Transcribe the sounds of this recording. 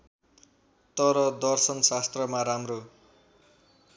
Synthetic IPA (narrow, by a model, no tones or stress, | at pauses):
t̪ʌɾʌd̪ʌrsʌnsast̪rʌmaɾamro